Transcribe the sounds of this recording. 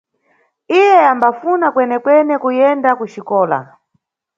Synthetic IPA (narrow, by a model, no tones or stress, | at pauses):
ijɛambafunakwɛnɛkwɛnɛkujɛndakuʃikɔːla̰